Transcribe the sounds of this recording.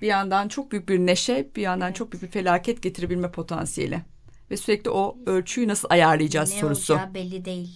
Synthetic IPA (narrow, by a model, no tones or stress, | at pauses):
b̥ijand̪ant͡ʃʰo̞k̚byjyc̚biɾneʃɛb̥ijand̪ant͡ʃʰo̞k̚byjyc̚biɾfe̞lʲaːcʰɛt̪̚ɟe̞t̪ʰiɾe̞bilʲmɛpʰo̞t̪ʰa̰nsijḛlʲɪ | vɛsyɾɛclʲiʔo̞øɾt͡ʃʰyjnasɯlˠajaɾlˠɯjd͡ʒaːzso̞ɾusʊbɛlʲːid̪ejilʲ